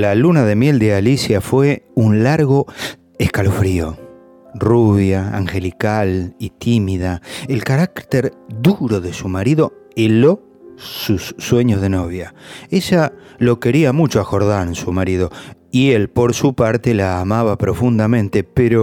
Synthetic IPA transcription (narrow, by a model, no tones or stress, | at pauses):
lalunaðe̞mje̞ld̪ealisjafweunlaɾɣo̞ | eskalofɾio | ruβjaa̰ŋxe̞likalit̪ʰimiðaelkaɾakt̪eɾd̪uɾo̞ðe̞sumaɾiðo̞elo | susːwe̞ɲozðe̞noβ̞jaeʒalo̞ke̞ɾiamut͡ʃoako̞ɾðaɾensumaɾiðo̞ielpo̞ɾsupaɾt̪e̞laːmaβapɾo̞fund̪amẽ̞nt̪e̞peɾo